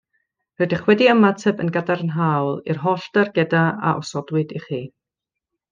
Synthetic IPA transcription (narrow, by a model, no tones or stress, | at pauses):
rədɪχwɛdiamːatʰɛbə̰nɡadaɾnɦaːwlˠḭrɦɔɬd̥arɡɛdaa̰ʔɔsɔdwɨdiχiː